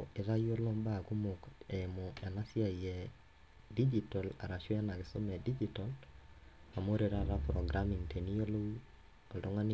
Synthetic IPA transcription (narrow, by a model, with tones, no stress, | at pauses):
e˨ða˦jo˦lo˦mba˦˨ku˦mokemo˨a˨na˦sja˨iɛ | di˦d͡ʒitɔ˨la̰˨ɾa˨ʃwa˦na˨ɣeso˦mɛ˨di˦d͡ʒitɔl | a˨mo˦ɾe˨ɾaðapɾɔɡɾami˨ŋtʰe˨ni˦o˦lo˦i˦ | o˨ltoŋa˦ni